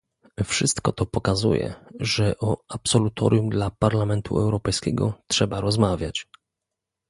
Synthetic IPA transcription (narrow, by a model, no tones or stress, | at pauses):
fʂɘst̪kɔt̪ɔpɔkazṵjɛ̰ʐɛʔɔapsɔlut̪ʰɔ̰ɾʲjumd̪lapaɾlamɛnt̪ʰṵɛwɾɔpɛjskʲɛ̰ɡɔtʂɛbaɾɔzmavʲjat͡ɕ